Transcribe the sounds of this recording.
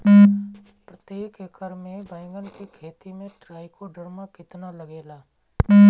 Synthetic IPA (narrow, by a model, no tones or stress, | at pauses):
pɾət̪eːkekəɾmẽbɛ̃ːŋɡəlkikʰeːt̪imẽʈɾaːikoɖəɾmakɪt̪nalɐɡeːlaː